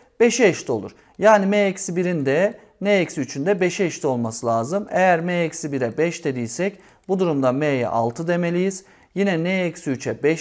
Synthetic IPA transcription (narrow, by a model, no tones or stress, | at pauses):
b̥eʃɛɛʃt̪ʰo̞lˠṵɾ | jaːnimɛɛcsibiɾind̪ɛ | nɛɛcsiyt͡ʃʰynd̪ɛbeʃɛɛʃt̪ʰio̞lˠmasɯlʲˠaːzɯmejæɾmɛɛcsibiɾɛbɛʃt̪ʰed̪ijsɛc | bud̪uɾumd̪amejɛ̰ʔa̰lˠt̪ʰɯd̪e̞melʲijiz̥ | jinɛnɛɛcsiyt͡ʃʰɛbɛʃ